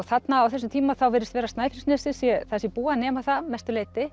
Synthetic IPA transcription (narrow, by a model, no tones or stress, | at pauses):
ɔɣθat̪naawθɛsːʏmt̪ʰiːmaθawvɪːɾɪst̪vɛːɾast̪aːjfɪɾi̥snɛːsɪsjɛθasjɛpuːanɛːmaθamɛst̪ʏleːjt̪ɪ